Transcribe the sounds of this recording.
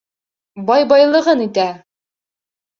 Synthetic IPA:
bɑjbɑjlˠɤ̆ʁɤnit̪æ

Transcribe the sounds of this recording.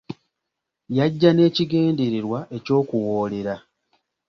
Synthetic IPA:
jaɟːane̞ːciɡe̞ːndeɾeɾwaʔe̞co̞ːkuwo̞ːle̞ɾa

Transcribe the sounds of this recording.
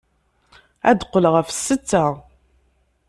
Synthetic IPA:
æ̰d̪qːəlʁəfsːət͡sːa

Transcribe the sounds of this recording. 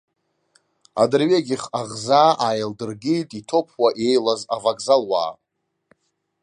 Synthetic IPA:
a̰dɨrɥeɡʲɪχaʁzaːʔajldɨrɡʲitʼitʰo̞pʰwaʔe̞jlazavakʼzalwa̰ː

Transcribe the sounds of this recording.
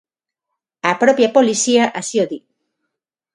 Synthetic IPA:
apɾopjapo̞lisiaʔasioði

